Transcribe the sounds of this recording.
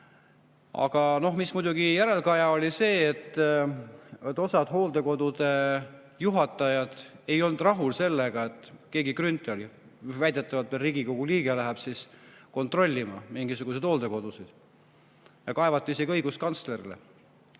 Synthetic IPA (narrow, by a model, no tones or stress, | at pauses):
ɑ̰ɡ̥ɑno̞ɦmismujd̪uɡijæɾe̞lkɑjɑo̞lʲise̞ːt̪ːˑ | t̪ːˑo̞sɑd̪̥ɦo̞ːld̪e̞ko̞d̪̥ud̪e̞ | juɦɑt̪ːˑɑjɑd̪̥e̞jo̞lnd̪̥rɑɦulse̞lːeɡ̥ɑe̞t̪ˑːke̞ːɡikrynt̪ˑelj | væjd̪̥e̞t̪ːˑɑvɑt̪melriːɡ̥iko̞ɡ̥uliːɡ̥elæɦɛb̥sisko̞nt̪ˑro̞lʲːimɑ̰miŋɡisuɡ̥used̥̪ho̞ːld̪e̞ko̞d̪̥usid̪̥ | jɑkɑevɑt̪ːˑiiseɡiɤjɡ̥uskɑnsle̞ɾilḛ